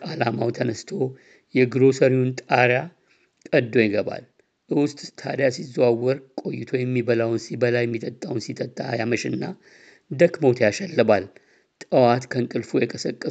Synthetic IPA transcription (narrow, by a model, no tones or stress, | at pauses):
alamawt̪ʰənəst̪ʰo̞ | jɛɡɨɾo̞səɾiunt̪ʼaɾja | kʼəd̪o̞jɛɡəba̰l | ʔɨwʊst̪ʼt̪ʰa̰d̪jasizawːəɾkʼo̞jːɪt̪ʰo̞jɛmːibəlawnsibəlajːɛmːit̪ʼət̪ʼːawnsit̪ʼət̪ʼːajaməʃɪnːa | d̪əkmo̞t̪ʰjaʃɛlːɨbal | t̪ʼəwat̪kʰəŋkʼɨlfujɛkʼəsəkʼːə